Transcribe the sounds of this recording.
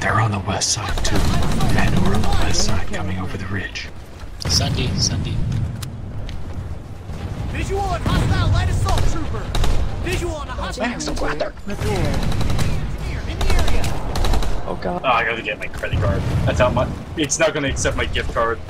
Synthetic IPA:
ðə˞ə̃nðəwɛstsaɪd̥̚tʰʉɨ̃nə˞ə̃nðəwɛstsaɪd̚kʰʌmɪ̃ŋoʊvə˞ðɨɹɪd̥ʒ̥ | sʌ̃ndeɪsʌ̃ndeɪ | ɪzɨənhɑstaɪlaɪɾɨsɔlˠtʰɹ̥ʉpə̥˞ɪzɨ̃nmæ̃ksəɡlæt̪ə˞ɨ | ɪ̃niɛɹiɨ | ʔo̰ʊɡɑoaɪɡɑɾɨɡɛt̚maɪkʰɹ̥ɛɾiɡɑɹd̥̚ðætsɑt̚maɪ | ɨtsnət̚ɡ̥ʌnɨɨksɛt̚maɪɡɪf̚kʰɑɹd̥̚

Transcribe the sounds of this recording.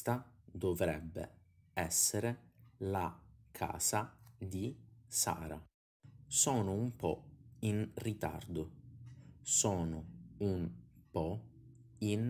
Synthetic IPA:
t̪ad̪ovɾɛbːḛ | ɛsːeɾelakʰa̰ːsad̪isa̰ːɾa̰ | sɔːnʊumpɔ̰inrit̪a̰rd̪ʊ | sɔːnʊumpɔ | in

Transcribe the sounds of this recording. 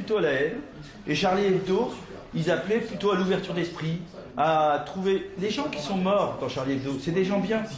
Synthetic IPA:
pyt̪oalaɛn | eʃaʁliɛvd̪o | ilzaplɛplyt̪oaluvɛʁt̪yʁd̪ɛspχi | at̪χuveleʒɑ̃kʲisɔ̃mɔʁd̪ɑ̃ʃaʁliɛvd̪osɛd̪eʒɑ̃bjɛ̃

